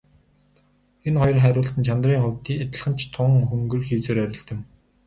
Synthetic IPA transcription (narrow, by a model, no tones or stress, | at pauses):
enχɔjɞ̆rχæɾʲʊːɬt̪ɘ̆nt͡ɕʰant̪riːŋχʊːwt̪iːet̪ə̆ɮχə̆nt͡ɕʰt̪ʰʊŋxuŋɡɵ̆rxeːt͡seːɾœɾʲɪ̆ɮt̪ɘ̆m